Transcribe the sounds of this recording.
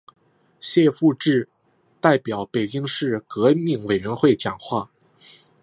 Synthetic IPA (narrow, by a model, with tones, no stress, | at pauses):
ɕjɛ˥˧fu˥˧ʈ͡ʂɻ̩˥˧ | t̪a˥˩ɪpjɑ˨˩˥ʊpe˨˩ɪt͡ɕi˥ŋʂɻ̩˥˩kɤ˧˥mi˥˩ŋwe˨˩ɪɥɛ˧˥nxwe˥˩ɪt͡ɕjɑ˨˩ŋxwa˥˩